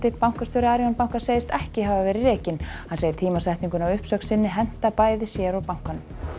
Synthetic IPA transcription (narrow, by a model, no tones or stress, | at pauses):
t̪ɪpawŋ̥kast̪œɾaːɾiɔnpawŋ̥kḁseːjɪst̪ɛhcɪɦavavɛːɾɪrɛːcɪnhanseːjɪɾ̥t̪ʰiːmasajht̪niŋkʏnawʏhpsœksɪnːɪɦɛn̥t̪apaːjðɪsjɛɾawpawŋ̥kanʏm